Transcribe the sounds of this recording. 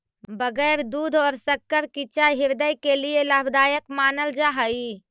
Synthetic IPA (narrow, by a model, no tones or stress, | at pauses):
bəɡɛɾd̪ud̪ʱɔːɾsəkːəɾkit͡ʃaɦiɾd̪əjkelielabʱd̪ajəkmaːnəld͡ʒaɦəi